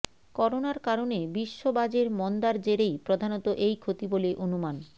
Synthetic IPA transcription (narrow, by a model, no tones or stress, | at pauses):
kɔɾonaɾkaɾonebiʃːobad͡ʑeɾmɔnd̪aɾd͡ʑeɾejpɾod̪ʱanot̪oʔejkʰot̪iboleʔonuman